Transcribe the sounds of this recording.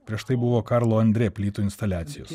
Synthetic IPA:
pʲɾʲiɛʃt̪ɐɪbʊʋoːkɑɾlˠoːɐnʲd̪ʲɾʲeːpʲlʲiːt̪uːɪnst̪ɐlʲæːt̪sʲɪjo̰s

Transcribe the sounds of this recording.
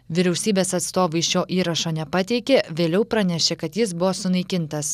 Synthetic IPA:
ʋʲɪɾʲɛʊsʲiːbʲeːsɐt̪st̪oːʋɐɪʃjoːʔiːɾɐʃoːnʲɛpɑt̪ʲɛɪkʲeːʋʲeːlʲɛʊpɾɐnʲɛʃʲekɐt̪jɪsbʊʋoːsʊnɐɪkʲɪnt̪ɐs

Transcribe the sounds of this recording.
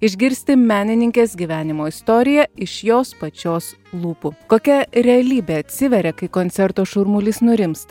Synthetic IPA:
ɪʒʲɡʲɪɾʲsʲt̪ʲɪmʲæːnʲɪnʲɪŋʲkʲeːsɡʲiːʋʲæːnʲɪmoːɪst̪oːɾʲɪjɛɪʃjoːspɐt͡ʃʲoːs | lˠuːpukoːkʲɛɾʲɛɐlʲiːbʲeɐt̪ʲsʲɪʋʲɛɾʲɛkɐɪkoːnʲsʲɛɾt̪oːʃʊɾmʊlʲiːsnʊɾʲɪmst̪ɐ

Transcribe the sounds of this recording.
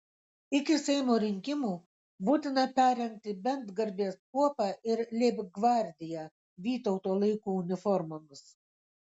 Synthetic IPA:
ɪkʲɪsʲɛɪmoːɾʲɪŋʲkʲɪmuː | buːt̪ʲɪnɐpʲæːɾʲɛŋʲk̚t̪ʲɪbʲɛnd̪ɡɐɾʲbʲiɛskuɔpɑːʔɪɾlʲeːbʲɡʋɑˑɾʲd̪ʲɪjæ | ʋʲiːt̪ɔʊt̪oːlˠɐɪkuːʊnʲɪfɔɾmɔmʲɪs

